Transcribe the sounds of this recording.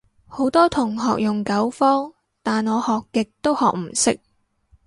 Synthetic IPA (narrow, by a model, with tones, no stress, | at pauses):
ho˨˥wt̪ɔː˥t̪ʰʊ˨˩ŋɦɔ̰ː˨k̚jʊ˨ŋkɐ˨˥wfɔː˥ŋ | t̪aː˨nŋɔː˨˧hɔː˨kːɪ˨k̚t̪o˥whɔː˨k̚m̩˨˩sɪ̰˥k̚